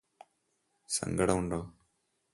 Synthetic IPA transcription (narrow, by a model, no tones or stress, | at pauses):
sə̰ŋɡəɽuɳɖoː